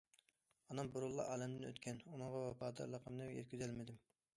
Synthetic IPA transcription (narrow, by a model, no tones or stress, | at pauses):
ɑnɑmbuɾʊlˠːɑ̰ʔɑːlɛmd̪ɪnø̰t̪kʲʰɛnunɨ̃ŋʁɑwɛpɑːd̪ɑ̰ɾlˠəqʰəmnɨjɛ̰t̪̚kʲyzɛlmɪd̪ɪm